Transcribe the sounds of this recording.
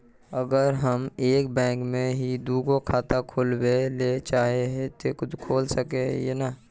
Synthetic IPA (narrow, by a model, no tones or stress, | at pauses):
əɡəɾɦəmeːkbɛ̃ːkmẽɦid̪uːɡokʰaːt̪akʰoːlweleːt͡ʃaːɦeɦɛt̪ekʊt̪kʰoːlsəkejḛna